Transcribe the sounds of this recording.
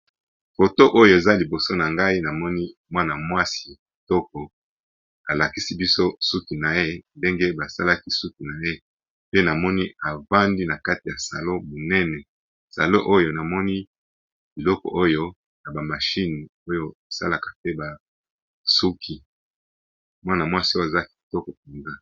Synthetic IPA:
fo˨to˦ʔo˦jo˨e˨za˦li˨bo˨so˦na˨ŋɡa˦i˦na˨mɔ˦ni˦mwa˦na˨mwa˦si̥˨ | tɔ˦kɔ˨ | a˨la˨ki˦si˦bi˦so˦su˦ki˨na˨je˦nde˦ŋɡe˦ba˨sa˦la˦ki˦su˦ki˨na˨je˦ | pe˦na˨mɔ˦ni˦a˨va˦ndi˦na˨ka˦ti˨ja˨sa̰˨lo˦mo˨nɛ˦nɛ˨ | sa̰˨lo˦ʔo˦jo˦na˨mɔ˦ni˦ | bi˨lɔ˦kɔ̰˨ʔo˦jo˦ | na˨ba˨ma˨ʃi˦n˨o˦jo˦e˨sa̰˦la˨kḁ˨tɛ˦ba˨ | su˦kʰi˨ | mwa˦na˨mwa˦si˦o˦je˨za˦ki̥˨tɔ˦kɔ˨p̚e˨nza˦

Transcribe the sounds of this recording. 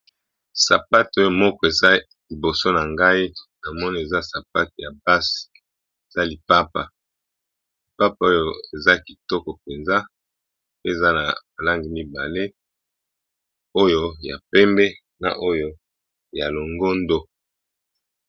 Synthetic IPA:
sa̰˨pa˦to˦jo˦˨mɔ˦kɔ˦e˨za˦ | li˨bo˨so˦na˨ŋɡa˦i˦na˨mɔ˦ni˦e˨za˦sa˨pa˦t̚ja˨ba˦si̥˨ | e˨za˦li˨pa˦pa˨ | li˨pa˦pa˦o˦jo˦e˨za˦ki˨tɔ˦kɔ˨pe˨nza˦ | e˦˨za˦na̰˨ma˨la˦ŋɡi˨mi˦ba˨le˦ | o˦jo˦ja˨pɛ˦mbɛ˦ | na̰˨ʔo˦jo˦ | ja˨lo˨ŋɡo˦ndo˦

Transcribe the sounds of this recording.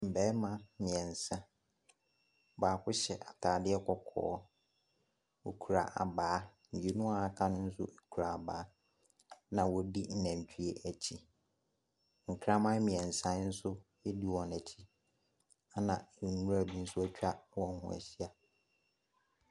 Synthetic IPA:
m̩˨bɛ˨˦mã˦mɪ̃˨ɛ̃˨n̩˨sã˦ | baː˨kʰʊ˦ɕɛ˨ʔa˨tʰaː˨dɪ˦ɛ˦kʰɔ˨kʰɔ̰ː˨˦ | wo˨kʰu˨ɾa̰˨ʔa̰˨baː˨˦n̩˨d͡ʑe˨˦nʊ̃˦a˨a˨kʰã˦nʊ̃˦n̩˦sʊ̰˦ʔe˨kʰu˨ɾa˨a˨baː˨˦ | nã˨wɔ˨di˦n̩˨næ̃˨ɲ˨t͡ɕᶣʰi˦e˦ʔæ˨t͡ɕʰi˦ | ŋ̩˨kʰɾã˦mã˦mĩ˨ɛ̃˨n̩˨sã˦n̩˦sʊ˦jɛ˦di˦wɔ̃˨næ˨tʰi˦ | a˦nã˨ɛ˨˦nũ˦ɾa˨bĩ˦n̩˦sʊ˦æ˦t͡ɕᶣa˦wɔ̃˨n˦hʊ̰̃˨æ̰˨ɕi˦a˨

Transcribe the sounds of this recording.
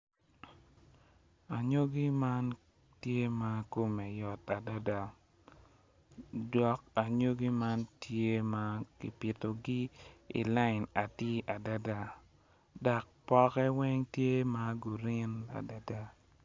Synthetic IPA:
a˨ɲo˦ɡi˦ma˦n | tje˦ma˨ko˦me˨jɔ˨ta˨da˦da˨ | dwɔ˨k̚a˨ɲo˦ɡi˦ma˦ntje˦ma˦kɪ̰˨pɪ˨to˨ɡi˦ḭ˨la˦ɪ˨na˨tɪ˦ʔa˨da˦da˦˨ | da˨k̚pɔ˦kɛ˦wɛ˦ŋtje˦ma˦ɡu˨ɾɪ˦na̰˨da˨da˦

